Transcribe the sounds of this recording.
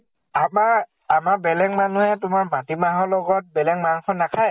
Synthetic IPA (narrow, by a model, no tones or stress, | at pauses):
ama | amabɛlɛŋmanuhɛtʊmaɹmatimaɦɔlɔɡɔt̚bɛlɛŋmanukʰɔnːakʰaj